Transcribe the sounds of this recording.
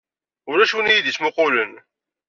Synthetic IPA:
ʊɾæʃuwnijid̪ismʊqʊlən

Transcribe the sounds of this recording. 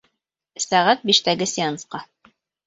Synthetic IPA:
sæʁæt̪̚biʃt̪æɡɘsʲɪansqɑ

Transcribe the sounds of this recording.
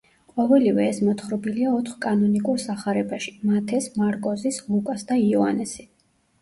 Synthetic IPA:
qʼɔvɛlivɛːsmɔt̪χɾɔbiliaɔt̪ʰχkʼanɔnikʼuɾsaχaɾɛbaʃi̥mat̪ʰɛsmaɾkʼɔzislˠukʼasd̪aiɔa̰nɛsi̥

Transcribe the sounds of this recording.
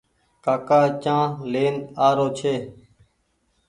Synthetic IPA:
kaːkaːt͡ʃãːleːnaːɾoːt͡ʃʰeː

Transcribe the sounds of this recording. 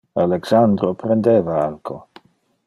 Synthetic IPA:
alɛksandɾɔpʰɾɛndɛvaalkʰo

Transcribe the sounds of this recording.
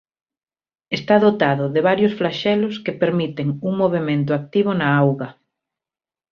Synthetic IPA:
est̪aðot̪aðʊðɪβ̞aɾjʊsflaʃɛlʊskepeɾmit̪eŋuŋmoβ̞emẽnt̪ʊak̚t̪iβ̞ʊnaawɣɐ

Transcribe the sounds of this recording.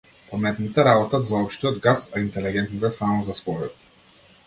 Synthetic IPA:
pɔmɛt̪nit̪ɛɾabɔt̪at̪zaɔpʃt̪iɔd̪ɡasaint̪ɛliɡɛnt̪nit̪ɛsamɔzasvɔjɔt̪

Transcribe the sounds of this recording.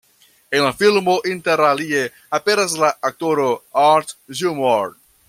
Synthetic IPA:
e̞nlafilmoʔinte̞ɾalie̞ | ape̞ɾas̬laːk̚to̞ɾo̞aɾtʒumoɾ

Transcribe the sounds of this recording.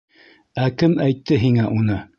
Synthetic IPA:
ækɘmæjt̪ːɘɦiŋæʔunɤ

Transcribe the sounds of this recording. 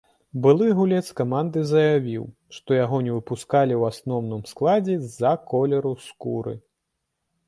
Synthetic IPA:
bɨlˠɨɣulʲɛt̪skamand̪ɨzɐjavʲiw | ʂt̪ɔjaɣɔnʲɛvɨpuskalʲiwasnɔwnɨmsklˠad͡zʲɛzɐkɔlʲɛɾuskṵɾɨ̰

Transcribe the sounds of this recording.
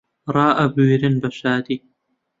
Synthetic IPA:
ɾˤɑːʔɐbuːɾɪnbɐʃaːd̪i

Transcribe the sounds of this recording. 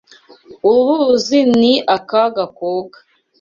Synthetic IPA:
uluziniʔakaɡakoɡḁ

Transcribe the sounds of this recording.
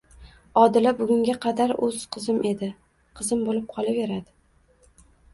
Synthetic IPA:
ɒd̪ɪlabʊɡʲʊŋɡʲaqʰɑd̪aɾɵz̥qʰɨzɪmʔe̞d̪ɪ | qʰɨzɪmbolɪp̚qʰɒlˠave̞ɾad̪ɪ

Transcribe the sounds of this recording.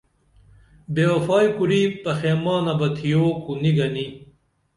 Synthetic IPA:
beːɐfaːjkuɾipɐxeːmaːnɐbɐt̪ʰijoːkuniɡɐni

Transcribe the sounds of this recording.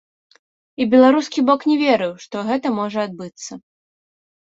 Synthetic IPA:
ibʲɛlˠaɾuskʲibɔknʲɛvʲeɾɨwʂt̪ɔɣɛt̪ɐmɔʐɐad̪̚bɨt̪sːɐ

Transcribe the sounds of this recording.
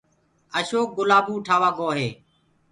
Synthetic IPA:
əʃoːk̚ɡʊlaːbuːʈʰaːʋaːɡoːɦeː

